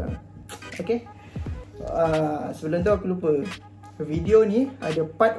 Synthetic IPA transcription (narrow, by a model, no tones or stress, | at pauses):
oke | so̰əsəbəlomt̪̬uakulupə | vidionĩadapat̪